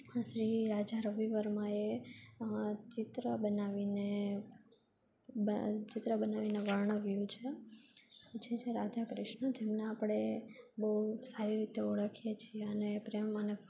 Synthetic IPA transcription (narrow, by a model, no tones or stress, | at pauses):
ʃɾiɾad͡ʒaɾəʋiʋəɾmãe | t͡ʃɪt̪ɾəbənaʋine | t͡ʃɪt̪ɾəbənaʋineʋaɳ̃əʋjũt͡ʃʰe | t͡ʃʰet͡ʃʰeɾad͡ʒ̪ʱakɾɪʃɳəd͡ʒemneapəɽ̃ebəɦusaɾiɾit̪eoɽəkʰijet͡ʃʰieənepɾemmanək